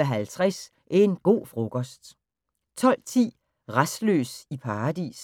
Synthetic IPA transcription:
æɦælt͡sʰʁas | ʔæɐe̝nɡ̥o̝̰ːfʁo̝kʰɒ̽sd̥ | t͡sʰɒ̽l̰t͡sʰḭː | ʁasd̥lø̰ːsipʰɑ̈ːd̥ḭːs

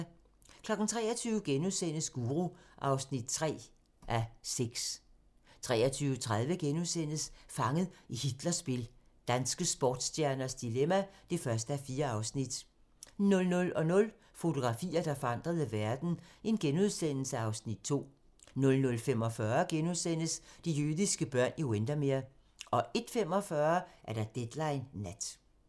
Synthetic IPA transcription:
kʰlɒ̽ɡ̥n̩t͡sʰʁɛ̰ːɐt͡sʰyːʊɡ̥enuðˠsen̰əsɡ̥uːʁuʔɑ̈ʊsnid̥̚t͡sʰʁɛ̰ː | ʔæseɡ̥s | t͡sʰʁɛ̰ːɐt͡sʰyːʊt͡sʰʁað̞ˠʋəɡ̥enuðˠsen̰əsfɑ̈ŋəð̩ˠihid̥lɐsb̥e̝l | d̥ænsɡ̥əsb̥ɒːd̥sdjæɐnɐsd̥ilemæd̥e̝fɶɐsd̥əæfiːɐɑ̈ʊsnid̥ | nɔ̽lnɔ̽lɒ̽nɔ̽l | fo̝t͡sʰo̝ɡ̥ʁɑ̈fḭːɐd̥ɑ̈fɒ̽ɑ̈n̰d̥ʁɐðˠəʋæɐd̥n̩e̝nɡ̥enuð̞ˠsen̰l̩səɑ̈ʊsnid̥̚t͡sʰo̝̰ː | nɔ̽lnɔ̽lfem̰ɒ̽fɶːɐɡ̥enuðˠsen̰əsd̥ijyðˠisɡ̥əb̥ɶɐ̰niwend̥ɐmeɐ | ʔɒ̽ʔe̝d̥fem̰ɒ̽fɶɐʔæɐdɑ̈d̥ed̥lɑ̈ɪnːæd̥

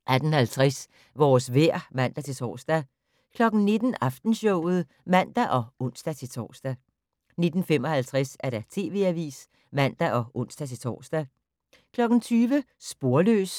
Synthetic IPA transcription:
ʔæd̥n̩hælt͡sʰʁɛs | ʋɒːsʋeɐ̰mæn̰d̥æt͡sʰe̝t͡sʰɒ̰ːsd̥æ | kʰlɒ̽ɡ̥n̩ne̝d̥n̩ɑ̈fd̥n̩ɕɔʊ̰ð̞̩ˠ | mæn̰d̥æʔɒ̽ɔ̽n̰sd̥æt͡sʰe̝t͡sʰɒ̰ːsd̥æ | ne̝d̥n̩femɒ̽hælt͡sʰʁasæɐɾ̥æt͡sʰe̝̰ːʋe̝̰ːæʋḭːs | mæn̰d̥æʔɒ̽ʔɔ̽n̰sd̥æt͡sʰe̝t͡sʰɒ̰ːsd̥æ | kʰlɒ̽ɡ̥n̩t͡sʰyːʋəsb̥o̝ɐlø̰ːs

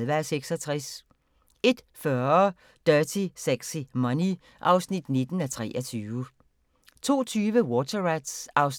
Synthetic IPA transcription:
ʋæseɡ̥sɒt͡sʰʁɛs | e̝d̥fɶɐ | d̥ɶɐsʰisæɡ̥simɒni | ʔɑ̈ʊsnid̥ne̝d̥n̩æt͡sʰʁɛ̰ːʔɒt͡sʰyːʋə | t͡sʰo̝̰ːt͡sʰyːʋəwɔt͡sʰɐʁad̥sɑ̈ʊs

